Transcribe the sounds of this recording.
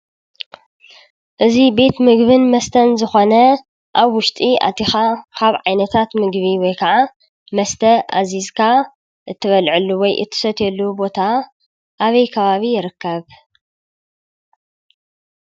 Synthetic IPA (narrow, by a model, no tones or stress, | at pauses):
ʔɨzibe̞t̪mɨɡβɨnmɐst̪ʰɐnzɨxonɐ | ʔaβwʊʃt̪ʼiʔa̰t̪ʰixakʰaβʕajnɐt̪ʰat̪mɨɡβiwɔjkʰaʕa | mɐst̪ʰɐʔa̰zizkʰa | ʔɨt̪ʰːɨβɐlʕɨlːuwɔjʔɨ̰t̪ʰːɨ̥sɐt̪ɛlːubo̞t̪ʰa | ʔaβɐjkʰɐβaβijɪɾɨkːɐβ